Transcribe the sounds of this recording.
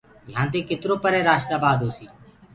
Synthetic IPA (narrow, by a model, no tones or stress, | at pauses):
jãːt̪eːkɪt̪ɾoːpəɾeːɾaːʃt̪aːbaːd̪ʱɦoːsiː